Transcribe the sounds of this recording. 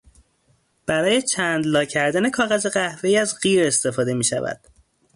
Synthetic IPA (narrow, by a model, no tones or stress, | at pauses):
b̥æɾɒːje̞t͡ʃʰæːnd̪lɒːcʰæɾd̪æne̞kʰɒːɣæzeɣæhve̞iːæzɢiːɾe̞st̪e̞fɒːd̪e̞miːʃæ̰væ̰d̪̥